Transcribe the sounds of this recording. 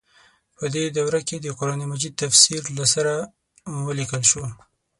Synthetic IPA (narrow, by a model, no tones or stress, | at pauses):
pəd̪ed̪awɾaked̪əqʊɾɑnimad͡ʒid̪̚t̪afsiɾlasaɾa | wəlikəlʃo